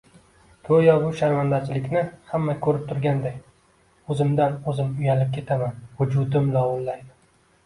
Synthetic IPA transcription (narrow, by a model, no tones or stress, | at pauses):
k̪ʰɵjɒbʊʃaɾmand̪aɾt͡ʃʰɪlɪkʲnɪhamːakʲʰɵɾɪp̚t̪ʰʊɾɡʲand̪ekʲ | ɵzɪmd̪anɵzɪmʊjalɪp̚kʲʰe̞t̪ʰamanvʊd͡ʒʊd̪ɪmlɒwʊnlaj